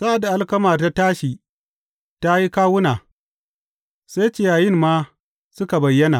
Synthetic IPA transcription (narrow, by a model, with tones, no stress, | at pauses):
sa˦ʔa˨da˨ʔa˦lkɐ˦maː˨rta˦taː˦ʃiː˨ | ta˦ji˦kaː˦wʊ˦naː˨ | sa˦jt͡ʃɪ˦˨jaː˨jɪ˦mmaː˦ | sʊ˦ka˨bɐ˨jːɐ˦na̰˨